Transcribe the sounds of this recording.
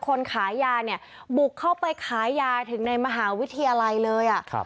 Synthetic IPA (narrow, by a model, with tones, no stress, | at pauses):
kʰo˧nkʰaː˩˦jːaː˧ni˥˩ɐbu˨˩kʰːa˥˩wpa˧jkʰaː˩˦jːaː˧t̪ʰɯ˩˦ŋna˧jma˧ɦaː˩˦wi˦˥t̪ʰːa˧jaː˧la˧jlɤː˧jʔa˨˩ʔʰ